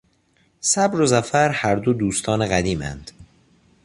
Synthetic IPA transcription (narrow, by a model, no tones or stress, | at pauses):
sæbɾozæfæɾhæɾd̪od̪uːst̪ʰɒːneɣæd̪iːmæ̰nd̪̥